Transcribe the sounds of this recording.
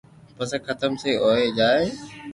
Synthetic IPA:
pɐskʰət̪əmseoːed͡ʑaːe

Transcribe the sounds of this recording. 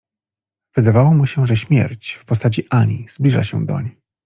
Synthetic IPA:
v̥ɘd̪avawɔmuɕɛʐɛɕmʲjɛ̰ɾt͡ɕfpɔst̪at͡ɕiʔaɲiz̥blʲiʐa̰ɕɛ̰d̪ɔ̰ɲej

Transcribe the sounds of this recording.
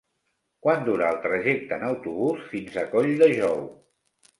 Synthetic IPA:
kwand̪uɾəːlˠt̪ɾəʒek̚t̪əːnəwt̪uβ̞usfinzəkoʎd̪əʒɔw

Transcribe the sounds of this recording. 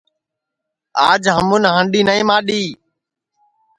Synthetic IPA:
aːd͡ʒɦəmʊnɦəɳɖiːnəĩːmãːɗiː

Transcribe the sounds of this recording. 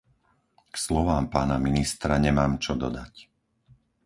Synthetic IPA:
kslɔʋaːmpaːnaminist̪ɾaɲɛmaːmt͡ʃɔd̪ɔd̪ac

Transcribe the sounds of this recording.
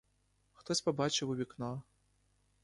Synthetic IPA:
xt̪ɔsʲpɐbat͡ʃɛwuβʲiknɔ

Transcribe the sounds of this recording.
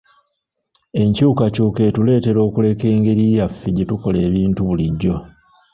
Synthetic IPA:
e̞ɲcuːkacuːke̞ːtule̞ːte̞ɾo̞ːkule̞ke̞ːŋɡe̞ɾijafːiɟetuko̞le̞ːβiːntuβuliɟːo̞

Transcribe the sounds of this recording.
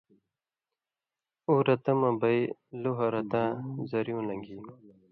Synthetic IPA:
uːɾɐt̪ɐmɐ̃bɐjluɦɐɾɐt̪ãːzɐɾjõːlɐŋɡiː

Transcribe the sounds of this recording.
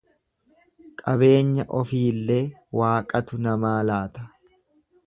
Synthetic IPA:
kʼɐbe̞ːɲːɐʔɔfiːlːe̞ːwaːkʼɐt̪ʊnɐmaːlaːt̪ɐ̥

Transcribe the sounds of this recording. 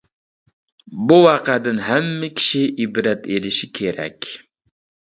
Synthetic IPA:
buwɑqɑd̪ɪnɦamːɪkʲʰɪ̥ʃɪʔɪbɾat̪elɪʃɪkʲʰeɾæ̰kʲ

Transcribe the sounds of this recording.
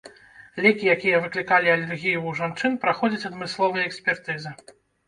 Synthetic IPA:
lʲɛkʲijakʲijɐvɨklʲikalʲiɐlʲɛrɣʲijuːʐant͡ʂɨnpɾaxɔd͡zʲɐt͡sʲɐd̪mɨslˠɔvɐjɐɛksʲpʲɛrt̪ɨzɨ

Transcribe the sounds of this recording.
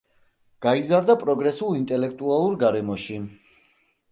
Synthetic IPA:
ɡ̥aizaɾd̪apʼɾɔɡɾɛsulˠint̪ʼɛlɛk̚ʰt̪ʼualˠuɾɡaɾɛmɔʃi

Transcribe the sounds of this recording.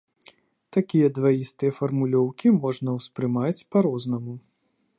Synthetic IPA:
t̪akʲijɐd̪vajist̪ɨjɐfɐrmulʲɔwkʲimɔʐnɐwspɾɨmat͡sʲpaɾɔznɐmu

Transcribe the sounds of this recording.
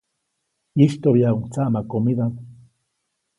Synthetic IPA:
iʃt̪oβjauŋt͡saʔmakomid̪aŋ

